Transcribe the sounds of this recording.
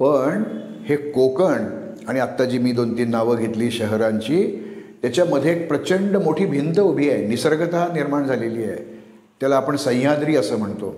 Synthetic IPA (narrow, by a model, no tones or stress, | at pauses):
pəɳ | hekokəɳ | aɽ̃iat̪ːad͡ʑiːmiːd̪ont̪iːnaʋəːɡʱet̪liːɕəɦəɾaɲt͡ɕiːt̪jat͡ɕjaməd̪ʱjeːk̚pɾət͡ɕəɳɖəmoʈʰiːbʱint̪əubʱiːajnisəɾɡət̪aɦaniɾmaɳd͡zʱaleliːḛ | t̪jalaːpəɳsə̃j̃jad̪ɾiːəsəːm̤əɳt̪o̰